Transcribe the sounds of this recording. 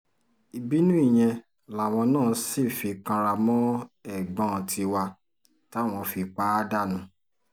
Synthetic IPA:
i˧bi˦nũ˦i˦˨j̃ɛ̃˧ | la˨w̃ɔ̃˧nãː˦˨˧si˦˨fi˧kã˧ɾa˧mɔ̃˦ɛ˦˨ɡ͡bɔ̃˦˨tʰi˧wa˧ | ta˦˨w̃ɔ̃˧fi˧k͡pa˦da˦˨nũ˨˦

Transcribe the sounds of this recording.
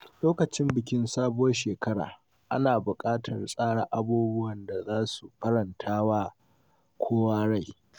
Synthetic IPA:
loː˦kɐ˨t͡ʃɪ˦mbɪ˨kʲɪ˦nsaː˦bʊ˦wɐ˦ʃeː˨kɐ˦ɽa̰ː˨ | ʔa̰˦naː˨bʊ˨kʼaː˦tʰɐ˨rsʼaː˦ɽa˦ʔa˦buː˦bʊ˦wɐ˨nda˨zaː˦su˨ɸɐ˦ɽɐ˨ntʰaː˦waː˦ | kʷʰoː˦waː˦ɽa˦˨j

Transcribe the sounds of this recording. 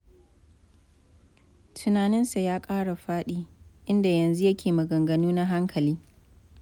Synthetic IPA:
tʰʊ˨naː˨nɪ˦nsa˨jaː˦kʼaː˦ɽa˨ɸaː˦ɗiː˦ʔɪ˦nda˨jɐ˨nzu˦jɐ˦kʲeː˨mɐ˨ɡɐ˨ŋɡɐ˨nuː˦na˦ɦa˦ŋkʰɐ˨liː˦

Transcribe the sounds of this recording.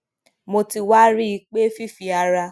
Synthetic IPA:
mo˧ti˧wa˦ɾi˦˧k͡pe˦fi˦˨fi˨a˧ɾa˧

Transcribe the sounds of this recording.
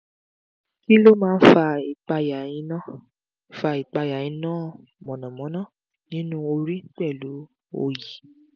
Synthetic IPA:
ki˦lo˦mãː˦fa˧i˨k͡pa˧ja˨jĩ˧nã˦˨ | fa˧i˨k͡pa˧ja˨jĩ˨˧˦nãː˦˨mɔ̃˨nã˨mɔ̃˨˦nã˦˨ | nĩ˨˦nũ˦o˧ɾi˦k͡pɛ˦˨lu˨˦ | o̰˧ji˨

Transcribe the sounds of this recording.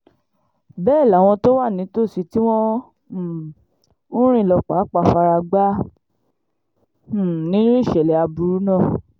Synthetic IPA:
bɛː˦˨la˨w̃ɔ̃˧to˦wa˦˨nĩ˨˦to˦˨si˨˦ti˦w̃ɔ̃˦˨ | ũ˦ɾ̃ĩ˦˨lɔ˧k͡pa˨˦k͡pa˧fa˧ɾa˧ɡ͡ba˦˨ | nĩ˨˦nũ˦i˦˨ʃɛ˨lɛ˨a˧bu˧ɾu˨˦nãː˦˨

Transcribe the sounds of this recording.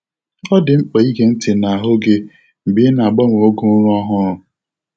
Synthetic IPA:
ɔ˦dɪ˨ŋ͡m̩˦k͡pe˨i˦ɡe˨n̩˦tɪ˨na˨a˨ɦʊ˦ɡe˦ | m̩˨bɪ˦na˨ɡ͡bɔ˦ŋ˨o˦ɡʊ˦ɾʊ˦ɔ˦ɦʊ˦ɾʊ˨

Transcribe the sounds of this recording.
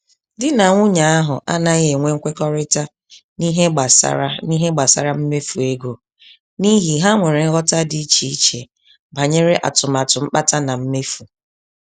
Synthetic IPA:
dɪ˦na˨ŋʷʊ˦ɲa˨a˦ɦʊ˨ʔa̰˦na˦ɣe˨ŋʷe˦ŋ̩˦kʷe˦kɔ˦ɾɪ˦ta˦ | ni˦ɦe˦ɡ͡ba˨sa̰˦ɾa̰˦ni˦ɦe˦ɡ͡ba˨sa̰˦ɾa˦m̩˦me˦fu˨e˦ɡo˨ | ni˦ɦi˨ɦa˦ŋʷe˨ɾe˨ŋ̩˦ɣɔ˦ta˦di˦i˦t͡ʃi˨i˦t͡ʃe˨ | ba˨ɲe˦ɾe˦ʔa̰˨tʊ˨ma˨tʊ˨m̩˦k͡pa˦ta˦na˨m̩˦me˦fu˨

